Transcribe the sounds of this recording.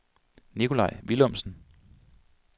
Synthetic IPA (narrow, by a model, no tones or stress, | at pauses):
nikʰo̝lɑ̈ɪ̰ʋilɔm̰sn̩